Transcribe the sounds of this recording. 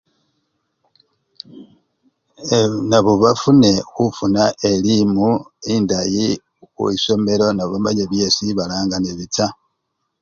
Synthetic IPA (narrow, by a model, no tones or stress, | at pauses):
enaβoβafune̞xufunaʔelimuindaji | xṵiso̞meɾo̞naβoβama̰ɲeβje̞siβalaːŋɡaneβit͡sa